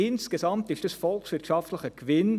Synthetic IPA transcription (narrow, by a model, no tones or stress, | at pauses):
ɪnskəsɑmtɪʃtəsfɔlksv̥ɪɾtʃɑftləχəkvɪn